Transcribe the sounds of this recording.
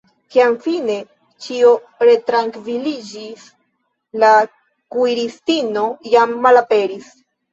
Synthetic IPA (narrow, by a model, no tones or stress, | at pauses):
keamfine̞ | t͡ʃio̞ | ɾe̞tɾaŋkvilid͡ʒis | la | kuiɾistino̞jamːalape̞ɾis